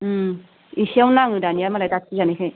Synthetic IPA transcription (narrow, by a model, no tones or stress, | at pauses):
isiawnaŋɯdanijaɾmalajdatʰizanekʰaj